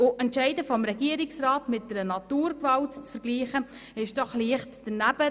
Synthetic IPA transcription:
ʊʔɛntʃæɪdəfɔmɾɛɡiəɾɪksrɑːtmɪt̚d̥ɛɾənɑtuːɾkvɑltt͡sfəɾɡ̥liːχə | ɪʃd̥ɔχliəχtd̥ənæb̥ə

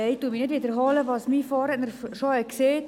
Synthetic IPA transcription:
ɛjtuminɪtʋiːdəɾɦɑləʋɑsmiːfɑːɾɛtnəɾʃɔəkseːt

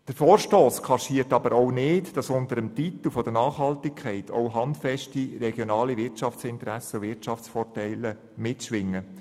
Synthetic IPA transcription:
d̥əɾfɔːɾʃtoːskʰɑʃiːəɾtɑb̥əɾownɪːtd̥ɑsʊntəɾəmtit̪l̩fɔd̥̪ənɑːχhɑltɪkʰχɛɪtʰo̰ʊɦɑntfɛʃtiɾɛɡ̥jonɑːliʋɪɾt͡ʃɑft͡sɪntəɾæsəʋɪrt͡ʃɑft͡sfɔrtɛɪlə | mɪtʃʋɪŋːə

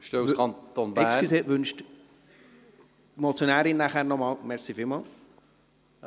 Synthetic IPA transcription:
ʃtøuskʰɑnt̪onbɪæːsiseːʔʋʉnʃt | mɔt͡sjonæːɾɪnːæχæːɾnɔmɑːlmɛɾsifɪlmɑːl

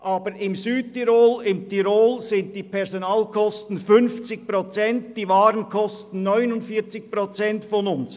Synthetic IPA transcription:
ʔɑːbəɾɪmzyːd̚tiɾoːlɪmtiɾoːlzɪnt̚d̥iːpʰɛʁzonaːlkʰɔstn̩fʏnft͡sɪçpʁot͡sɛntd̥iːvɑːɾənkʰɔstn̩ːɔʏnʊndfiːt͡sɪçpʁot͡sɛntfɔnʊns

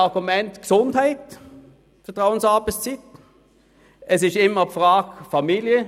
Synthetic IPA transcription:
ɑʁɡʊmɛnt̪ɡ̥sʊnt̪hæɪt̪ | fət̪ʁaʊənsɑbəst͡sɪt̪ | ʔɛsɪʃɪmːəfʁɑːɡfɑmiːljə

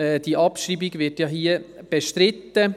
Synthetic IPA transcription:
ɛd̥iʔɑpʃɾiːbiɡvɪtjɑːɦiəb̥ɛʃtɾɪt̪ːə

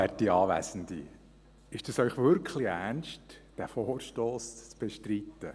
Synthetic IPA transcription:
æɾt̚ːiɑːʋæ̰sən̩dḭ | ɪʃd̥ɑsœʏχʋʏɾkʰlɪænʃtd̥æfoːɾʃtoːst͡sb̥ɛʃtrit̪ːə

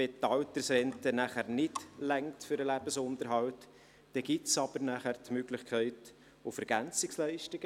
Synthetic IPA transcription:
ɛtːɑwtəɾsɾɛntənæːχæɾnɪtlɛŋtfʏɾəlæb̥əsʊnt̪əɾɦɑwt | d̥ɛɡ̥ɪtsɑb̥əɾnæχæɾt̪møɡlɪχkʰɛɪt | ʊfɛɾɡ̥ænt͡sɪkslæɪʃtɪɡ̥ə

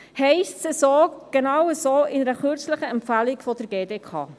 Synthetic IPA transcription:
hɛɪstsəsoːɡ̥enɑwəsoːɪnəɾəχøɾt͡slɪχəɛmpfælɪkfɔd̥əɾɡeːdeːkʰɑ̰ː

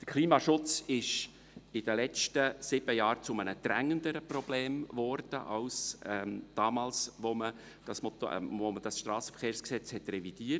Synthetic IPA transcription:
d̥əɾkʰliːmɑʃʊt͡sɪʃ | ɪd̥əlɛt͡stəsɪb̥əjɑːɾt͡sʊmənəd̥ɾæŋəndəɾəprɔb̥leːmvɔɾd̥əʔɑwsɛd̥ɑːmɑːlsʋomə | d̥ɑsmɔtoməd̥ɑsʃtɾɑːsəfəɾχeːɾrsksɛt͡shɛtrɛvid̥iːət

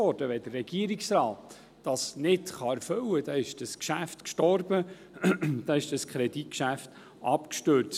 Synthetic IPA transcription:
ɔɾd̥əʋɛd̥ərːɛɡ̥iəɾiksɾɑːtː | ɑsnɪtχɑɛɾfɵwəd̥ɑːɪʃd̥ɑskʃæftkʃtɔrbə | d̥ɑɪʃd̥ɑskʰɾɛd̥it̚kʃæft | ʔɑpkʃtøɾt͡s

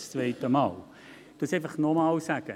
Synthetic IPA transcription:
st͡svɛɪtəmɑːl | tusɛɪfəχnɔmɑːlsæɡ̥ə

